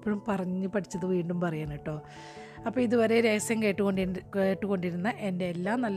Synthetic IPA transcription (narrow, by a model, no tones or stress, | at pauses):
pːoɻumpɐrɐɲːɨpɐʈʰit͡ɕːɐðɨʋiːɳɖumpɐrɐjaːɳiʈːo̞ː | ɐpːoːiðuʋɐɾe̞ɾeːɐsjɐmkeːʈːuko̞ɳɖikeːʈːuko̞ɳɖiɾunːɐʔende̞ːlːaːmnɐlː